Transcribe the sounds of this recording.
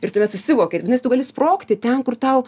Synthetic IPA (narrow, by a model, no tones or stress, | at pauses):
ɪrt̪ʊmʲɛt̪sʊʃʲsʲɪʋoːkʲetʋʲɪnɐɪst̪ʊɡɐlʲɪsproːkt̪ʲɪt̪ʲɛnkʊrt̪ɐʊ